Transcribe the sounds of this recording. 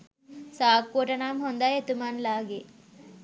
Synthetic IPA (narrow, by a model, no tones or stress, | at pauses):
saːk̚poʈɐnamɦond̪ajet̪umanlaːɡe